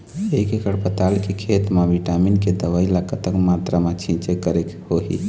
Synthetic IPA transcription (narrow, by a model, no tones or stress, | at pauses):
ekekəɽpət̪alkekʰet̪meʋiʈaminked̪əʋailakət̪əkmat̪ɾamet͡ʃʰĩnt͡ʃekəɾekhoɦḭ